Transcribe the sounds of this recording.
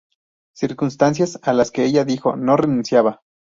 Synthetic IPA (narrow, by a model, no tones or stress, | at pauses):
siɾkunst̪ans̬jasalaske̞eʝaðixo̞̰no̞re̞nũnsjaβa